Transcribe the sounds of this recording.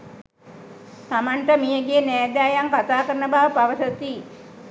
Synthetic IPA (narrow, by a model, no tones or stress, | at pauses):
t̪amanʈəmijəɡeːnɛːd̪aːjaŋkat̪aːkəɾənəbaʋəpaʋəsət̪i